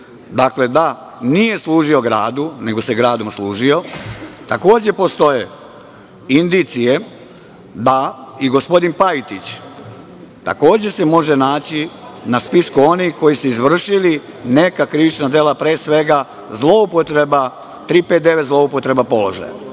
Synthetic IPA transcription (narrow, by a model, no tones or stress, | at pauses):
d̪akle̞d̪a | nije̞slˠuːʒio̞ɡɾaːd̪une̞ɡo̞se̞ɡɾaːd̪o̞mslˠuːʒio̞t̪ako̞ːd͡ʑe̞po̞st̪o̞je | ind̪it̪sije̞ | d̪aiɡo̞spo̞d̪inpait̪it͡ɕ | t̪a̰ko̞ːd͡ʑe̞semo̞ʒenaːt͡ɕinaspiskuo̞nixko̞jisuizʋr̩ʃili | ne̞kakɾiʋit͡ʃnad̪eːlapɾeːsʋe̞ɡa | zlˠo̞upot̪ɾeba | t̪ɾiːpet̪d̪e̞ʋet̪zlˠo̞upot̪ɾe̞bapo̞lo̞̰ʒa̰j̰